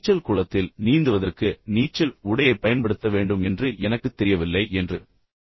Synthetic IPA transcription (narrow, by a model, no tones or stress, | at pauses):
t͡ʃːɐlkuːɻɐt̪ːɪlniːnd̪ɯʋɐðɐrkɯniːt͡ʃːɐlʊɽɐjɐɪpːɐjɐnpɐɽɯt̪ːɐʋeːɳɖɯmɛndrɯʔɛnɐkːɯt̪ːɛɾɪjɐʋɪlːɐɪʔɛndrɯ